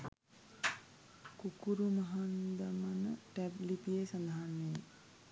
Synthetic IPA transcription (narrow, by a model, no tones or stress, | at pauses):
kukuɾumɐɦand̪ɐmɐnəʈɛblipijesɐnd̪aɦanːej